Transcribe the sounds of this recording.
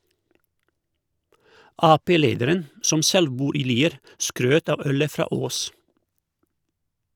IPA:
ˈɑːpeːˌleːdəɾən ˈsɔm ˈsɛl ˈbuːɾ ˈiː ˈliːəɾ ˈskɾøːt ˈɑʋ ˈœlə ˈfɾɑː ˈoːs

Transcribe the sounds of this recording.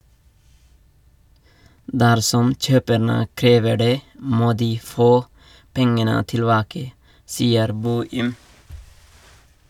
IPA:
ˈdæɾsɔm ˈc͡çøːpəɳə ˈkɾeːʋə ˈɖeː ˈmoː ˈdiː ˈfoː ˈpɛŋənə tɪlˈbɑːkə ˈsiːəɾ ˈboːɪm

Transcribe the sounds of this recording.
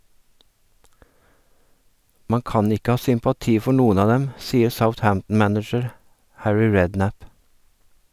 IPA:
ˈmɑ ˈkɑːn ˈɪkə ˈhɑː sʏmpɑˈtiː ˈfɔɾ ˈnuːən ˈɑː ˈdɛm ˈsiːəɾ səʊθˈhæmtn̩ ˈmænɪd͡ʒəɾ ˈhæɹɪ ˈɹɛdˌnæp

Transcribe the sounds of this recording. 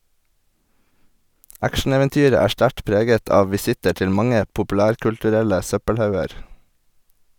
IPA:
ˈækʃɳ̩ˌeːʋɛnˌtyːɾə ˈæː ˈʃʈæʈ ˈpɾeːɡət ˈɑːʋ ʋɪˈsɪtə ˈʈɪl ˈmɑŋə pʊpʉˈlæːɾkʉltʉˌɾɛlə ˈsœpəlˌhɑʉəɾ

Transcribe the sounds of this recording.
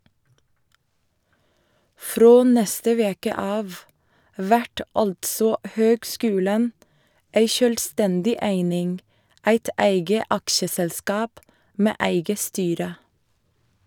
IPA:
ˈfɾoː ˈnɛstə ˈʋeːkə ˈɑːʋ ˈʋæʈ ˈɑltsɔ ˈhøːɡˌskʉːlən ˈeɪ ˈʃøːlˌstɛndɪ ˈæɪnɪŋ ˈæɪt ˈæɪɡə ˈɑkʃəsɛlˌskɑːp ˈmeː ˈæɪɡə ˈstyːɾə

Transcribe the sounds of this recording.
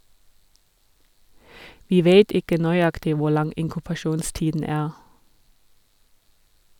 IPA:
ˈʋiː ˈʋeːt ˈɪkə nœʏˈɑktɪ ˈʋʊ ˈlɑŋ ɪŋkʉpɑˈʃuːnˌstiːdn̩ ˈæːʁ

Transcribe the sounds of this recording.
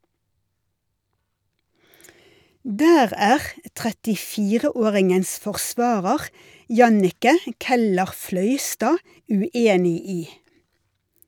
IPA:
ˈdæːʁ ˈæːʁ ə tʁɛtɪˈfiːʁəˌoːʁɪŋəns fɔʁˈsʋɑːʁəʁ ˈjɑnɪkə ˌkɛləʁˈflœʏstɑː ʉˈeːnɪ ˈiː

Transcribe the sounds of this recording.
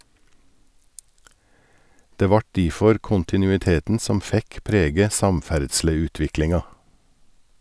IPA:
ˈdeː ˈʋɑʈ ˈdiːfɔɾ ˌkʊntɪˌnʉːɪˈteːtn̩ ˈsɔm ˈfɛk ˈpɾeːɡə ˈsɑmˌfæɖʃləˌʉːtʋɪklɪŋɑ

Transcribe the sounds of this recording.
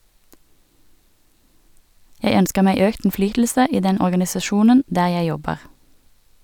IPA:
ˈjæɪ ˈœnskə ˈmæɪ ˈøːkt n̩ˈflyːtl̩sə ˈiː ˈdɛn ɔʁɡɑnɪsɑˈʃuːnən ˈdæː ˈjæɪ ˈjɔbəʁ

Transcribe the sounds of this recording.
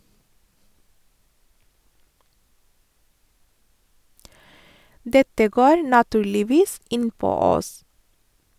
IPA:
ˈdɛtə ˈɡoːɾ nɑˈtʉːɭɪˌʋiːs ˈɪnˌpoː ˈɔs

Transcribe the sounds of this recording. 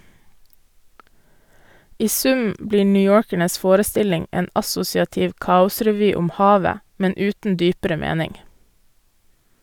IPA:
ˈiː ˈsʉm ˈbliː ɳʏˈjoːɾkæɳəs ˈfoːɾəˌstɪlɪŋ ˈeːn ɑˈsʊsɪɑtɪʋ ˈkɑːʊsɾɛˌʋyː ˈʊm ˈhɑːʋə ˈmɛn ˈʉːtn̩ ˈdyːpəɾə ˈmeːnɪŋ

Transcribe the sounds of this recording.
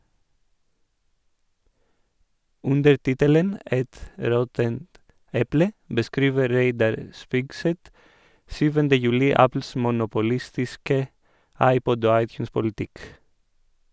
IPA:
ˈʉndəɾ ˈtɪtələn ˈɛt ˈɾɔtənt ˈɛplə bəˈskɾiːʋə ˈɾeɪdɑɾ ə ˈspɪɡˌsɛt ˈsyːʋəndə ˈjʉːlɪ ˈæpl̩s mʊnʊpʊˈlɪstɪskə ˈɑɪˌpɔd ˈoː ˈɑɪˌtjʉːnspʊl̩ˌtɪk

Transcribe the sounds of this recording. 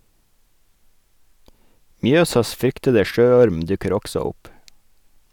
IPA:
ˈmjøːsɑs ˈfɾʏktədə ˈʃøːˌɔɾm ˈdʉkəɾ ˈɔksɔ ˈʊp

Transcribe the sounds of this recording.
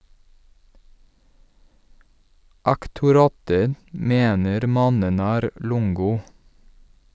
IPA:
ɑktʊˈɾɑːtə ˈmeːnəɾ ˈmɑnən ˈæːɾ ˈlʊŋɡʊ

